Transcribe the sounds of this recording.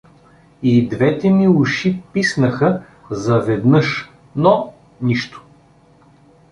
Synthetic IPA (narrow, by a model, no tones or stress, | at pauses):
id̪vɛt̪ɛmiuʃipisnəxə | zɐvɛd̪nɤʃ | nɔ | niʃt̪o̥